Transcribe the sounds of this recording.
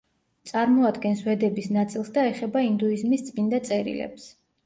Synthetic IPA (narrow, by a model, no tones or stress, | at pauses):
t̪sʼaɾmɔad̪ɡɛnswɛd̪ɛbisnat̪sʼilˠsd̪aɛχɛbaind̪uizmist̪sʼmind̪at̪sʼɛɾḭlɛ̰ps